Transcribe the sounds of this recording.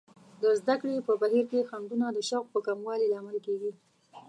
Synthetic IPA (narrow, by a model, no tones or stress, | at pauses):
d̪əzd̪akɽepəbaɦiɾkexand̪unad̪əʃawq̚pəkamwɑlelaːmalkeɡi